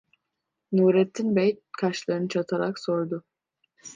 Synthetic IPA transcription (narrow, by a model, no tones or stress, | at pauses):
nuːɾɛt̪ʰːinbɛjt̪̚kʰaʃlˠaɾɯnɯt͡ʃʰat̪ʰaɾaksoɾd̪ʊ